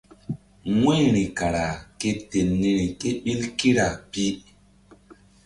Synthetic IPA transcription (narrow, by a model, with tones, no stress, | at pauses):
ŋwe˦ɾi˨ka˨ɾa˨ke˦te˨nːi˨ɾi˨ke˦ɓi˦lki˦ɾa˨pi˦